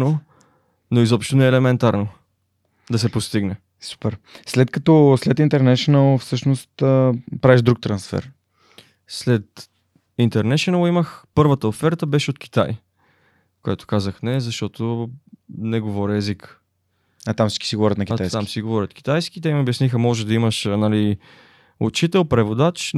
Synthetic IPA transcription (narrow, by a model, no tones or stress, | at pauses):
no | noizɔpʃt̪onɛːlɛmɛnt̪aɾno | d̪ɐsɛpost̪iɡnɛ | su̥pɛɾslɛt̪kɐt̪ɔslɛt̪int̪ɛɾnɛʃonəlˠfsɤʃnost̪əpɾavɛʒd̪ɾuk̚t̪ɾɐnsfɛ̰ɾ | slɛt̪ | int̪ɛɾnɛʃonəlˠiməxpɤɾvət̪əofɛɾt̪əbɛʃɛot̪k̟i̥t̪aj | koɛt̪ʊ̥kazəxnɛzɐʃt̪ɔt̪o | nɛɡovɔɾʲɛzik | at̪amsi̥t͡ʃki̥siɡovɔɾʲjət̪nɐkit̪ajst̪amsiɡovɔɾʲət̪k̟i̥t̪ajskʲit̪ɛimobjɐsnixəmɔʒɛd̪ɐiməʃnali | ot͡ʃit̪ɛlˠpɾɛvod̪at͡ʃ